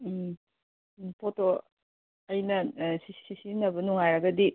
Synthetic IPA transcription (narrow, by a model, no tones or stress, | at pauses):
pʰoto | ɐjnɐsisisinɐbɐnuŋajɾɐɡɐdi